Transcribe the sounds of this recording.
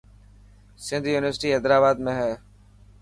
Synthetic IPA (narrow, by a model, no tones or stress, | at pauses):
sɪ̃nd̪ʱjuːnɪʋəɾsʈiːɦɛːd̪ɾaːbaːd̪mẽɦɛː